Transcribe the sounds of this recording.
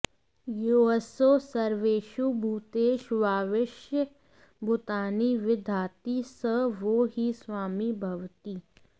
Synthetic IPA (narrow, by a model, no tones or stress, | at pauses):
joːəsoːsɐɾʋeːʃubʱuːt̪eːʃʋaːʋɪʃjə | bʊt̪aːniʋɪd̪ʱaːt̪isəʋoːɦiswaːmibʱɐʋt̪iː